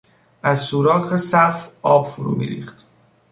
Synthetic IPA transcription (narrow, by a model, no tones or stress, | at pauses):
ʔæzsuːɾɒːχesæfɒːbfoɾṵːmḭːɾḭːxt̪